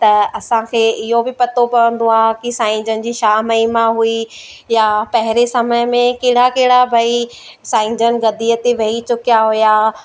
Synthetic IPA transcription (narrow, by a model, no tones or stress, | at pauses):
t̪ɐɐsãkʰeːɪɦobɪpɐt̪opɐʋə̃nd̪oaːkɪsãːɪ̃ɲd͡ʑənɪ̆d͡ʑiːʃaːɦməimãɦui | japɐɦɪɾesɐməjmẽkeːɽakeɦɪɽabʱɐi | sãːɪ̃ɲd͡ʑənɪ̆ɡɐd̪ʱiːət̪iʋɐɦit͡ɕʊkjaɦujaː